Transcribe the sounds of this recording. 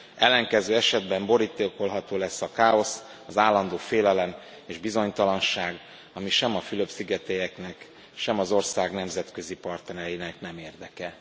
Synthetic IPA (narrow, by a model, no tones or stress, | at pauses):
ɛlːɛŋkɛzøːɛʃɛd̪bɛmbo̞ɾit̪ːeko̞lɦɒt̪oːlɛsːɒkaːo̞s | ɒzaːlːɒnd̪oːfeːlɛlɛm | eːʒbizo̞ɲt̪ɒlɒnʃaːɡ | ɒmiʃɛmɒfyløbsiɡɛt̪ejɛknɛk | ʃɛmɒzo̞rsaːɡnɛmzɛt̪kø̞zipɒrt̪ɛnɛjinɛknɛmeːrd̪ɛkɛ